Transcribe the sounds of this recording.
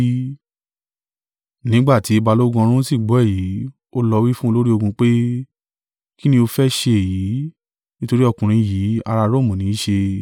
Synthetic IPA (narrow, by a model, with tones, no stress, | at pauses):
nĩ˦ɡ͡ba˦˨ti˨˦e˧ba˧lo˦ɡũ˧ɾ̃ũ˦si˦˨ɡ͡bɔ˨˦ɛ˦˨ji˨˦ | o˦lɔ˧wi˦fũ˦o˧lo˦ɾi˦o˧ɡũ˧k͡pe˦ | ki˦nĩ˧˦o˧fɛ˦ʃe˧e˨ji˨˦ | nĩ˦to˧ɾi˦ɔ˧kũ˨ɾ̃ĩ˨˧jiː˨˦a̰˧ɾa˧ɾo˦˨mũ˨nĩ˨˦ʃe˧